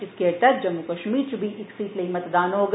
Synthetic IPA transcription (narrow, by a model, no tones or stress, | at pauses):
ɪskeɐt̪ɐɾd͡ʒɐmːukɐʃmiːɾt͡ʃubʱiʔɪksiːt̪leimɐt̪d̪aːnɦoːɡ